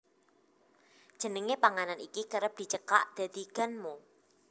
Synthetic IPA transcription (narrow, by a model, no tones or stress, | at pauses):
d̥ʒ̥ə̤nəŋepaŋananikikəɾəp̚d̪̥i̤t͡ʃəka̰ʔd̪̥a̤d̪̥iɡ̥a̤nmu